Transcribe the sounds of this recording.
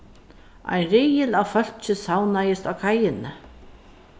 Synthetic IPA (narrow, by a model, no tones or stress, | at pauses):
a̰jnrɪjɪlawfœl̥t͡ʃɪsawnajɪst̪awkʰajɪnɪ